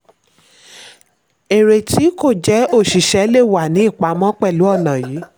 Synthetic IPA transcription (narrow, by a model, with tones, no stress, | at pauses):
e˨ɾe˨ti˨˦ko˦˨d͡ʒɛ˦o˦˨ʃi˨ʃɛ˧˦le˦˨wa˨nĩ˨˦i˦˨k͡pa˨˦mɔ̃˦k͡pɛ˦˨lu˨˦ɔ˦˨nã˨jiː˨˦